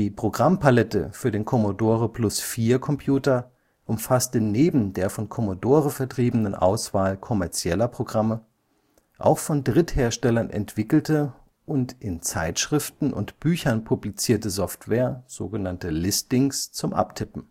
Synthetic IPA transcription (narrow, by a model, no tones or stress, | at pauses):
d̥iːpʁ̥oɡʁampalɛtə̰fyːɐɾeːnkʰɔmodoːʁəplʊsfiːɐkʰɔmpʰjuːtɐ | ʔʊmfastəneːbm̩deːɐfɔnkʰɔmodoːʁəfɛɐtʁ̥iːbənənʔa̰ʊsv̥aːlkʰɔmɛɐt͡sjɛlɐpʁ̥oɡʁamə | ʔa̰ʊxfɔndʁɪtheːɐʃtɛlɐnʔɛ̰ntv̥ɪkl̩tə | ʔʊntʔɪnt͡sa̰ɪtʃʁ̥ɪftn̩ʔʊ̰ntb̥yːçɐnpʰublit͡siːɐtəzɔftv̥ɛːɐz̥o̰ːɡənantəlɪstɪŋst͡sʊmʔa̰ptʰɪpm̩